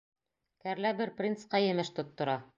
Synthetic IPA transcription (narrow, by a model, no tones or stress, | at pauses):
kæɾlæbɘɾprʲint̪sqɑjɘ̆mɘʃt̪ŏt̪ːŏɾɑ